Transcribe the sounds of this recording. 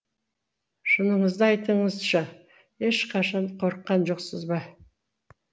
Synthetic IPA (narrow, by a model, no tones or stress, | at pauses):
ʃʊnəɴəzd̪əɑjt̪əɴəzʃɑ | e̞ʃqʰɑʃɑnqʰo̞ɾəqːɑnʒoqsəzbɑ